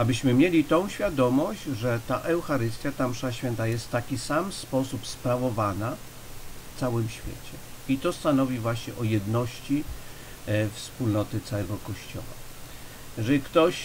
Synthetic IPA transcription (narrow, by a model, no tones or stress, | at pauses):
abɘɕmɘmʲjelʲit̪ɔ̃w̃ɕfʲjad̪ɔmɔɕd͡ʑʐɛt̪aʔɛwxaɾɘst̪jat̪amʂaɕfʲɛnt̪ajɛst̪ːakʲisamspɔsupspɾavɔvana | ft̪sawɘmɕfʲjḛt͡ɕɛit̪ɔst̪anɔvʲivwaɕɲɛʔɔjɛd̪nɔɕt͡ɕi | fspulnɔt̪ɘt̪saɛɡɔkɔɕt͡ɕɔ̰wa̰ | jɛʐɛlʲikt̪ɔɕ